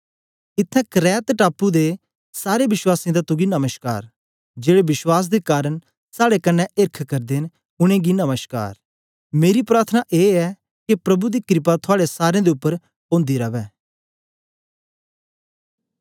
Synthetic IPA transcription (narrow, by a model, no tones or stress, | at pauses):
ɪt̪ʰːɛ̃kɾɛːt̪ʈaːpud̪e | saːɾebɪʃwaːsĩd̪at̪ʊɡinɐməʃka̰ːɾ | d͡ʒeːɽebɪʃwaːs̬d̪ekaːɾəɳ | saːɽekɐnːɛɪɾkʰkɐɾd̪eːn | ʊɽ̃ẽːɡinəməʃka̰ːɾ | meːɾipɾaːɾt̪ʰənaʔeːɛ | kipɾɐbud̪ikɾɪp̬at̪ʰʊaːɽesaːɾẽd̪eʊpːəɾ | õːnd̪iɾɐʋɛː